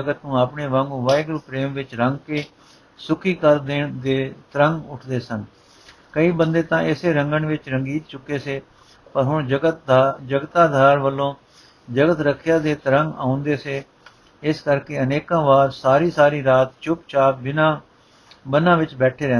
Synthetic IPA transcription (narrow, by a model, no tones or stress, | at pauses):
əɡət̪nũːaːpɳeːʋãːŋɡuːʋaːɪɡɾupɾeːmʋɪt͡ʃɾəŋɡkeː | sʊkʰiːkəɾd̪eːɳd̪eːt̪əɾəŋɡʊʈʰd̪eːsən | kəiːbənd̪eːt̪ãːʔɪseːɾəŋɡəɳʋɪt͡ʃɾəŋɡiːt̪t͡ʃʊkːeːseː | pəɾɦʊɳd͡ʒəd͡ʒəɡət̪aːd̪ʱaːɾʋəlːõː | d͡ʒəɡət̪ɾəkʰːjãːd̪eːt̪əɾəŋɡaːʊ̃nd̪eːseː | ɪskəɾkeːəneːkãːʋaːɾsaːɾiːsaːɾiːɾaːt̪t͡ʃʊpt͡ʃaːpbɪnãː | bənãːʋɪt͡ʃbɛːʈʰeːɾɛ̃ːnd̪e